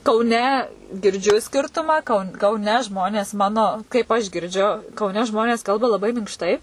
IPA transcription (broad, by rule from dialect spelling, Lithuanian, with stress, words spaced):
kɐʊˈnʲɛ ɡʲɪrʲˈd͡ʒʲʊ ˈsʲkʲɪrtʊmɑː kɐʊ kɐʊˈnʲɛ ˈʒmoːnʲeːs ˈmɑːnoː kɐɪp ɐʃ ɡʲɪrʲˈd͡ʒʲʊ kɐʊˈnʲɛ ˈʒmoːnʲeːs ˈkɐlˠbɐ lˠɐˈbɐɪ mʲɪŋkʃˈtɐɪ